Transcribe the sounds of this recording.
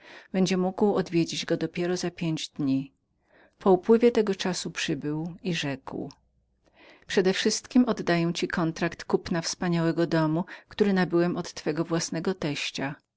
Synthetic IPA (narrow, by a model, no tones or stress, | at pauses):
b̥ɛɲd͡ʑɛmuɡwɔd̪vʲjed͡ʑid͡ʑɡɔd̪ɔpʲjɛɾɔzapʲjeɲd͡ʑd̪ɲi | pɔupwɘvʲjɛt̪ɛɡɔt͡ʂasupʂɘbɘwiʐɛkw | pʂɛd̪ɛfʂɘst̪kʲimɔd̪ːajɛw̃t͡ɕikɔnt̪ɾakt̪kupnafspaɲawɛɡɔd̪ɔmukt̪uɾɘnabɘwɛmɔt̪ːfɛɡɔvwasnɛɡɔt̪ɛɕt͡ɕa